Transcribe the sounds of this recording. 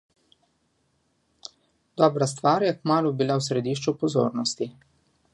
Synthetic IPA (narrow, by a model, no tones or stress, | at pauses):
d̪̥ɔːbɾas̬t̪ʋaːɾjɛkmaːlubilawsɾɛd̪iːʃ̬t͡ʃupɔzo̰ːɾnɔst̪i